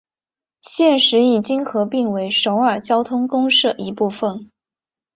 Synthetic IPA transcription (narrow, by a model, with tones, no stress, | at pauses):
ɕjɛ˥˩nʂɻ̩˧˥i˨˩t͡ɕi˥ŋxɤ˧˥pi˥˩ŋwe˧˥ɪʂo˧˥ʊə˞˨˩t͡ɕjɑ˥ʊt̪ʰʊ˥ŋkʊ˥ŋʂɤ˥˩ʔi˧˥pu˥˧fə˥˩n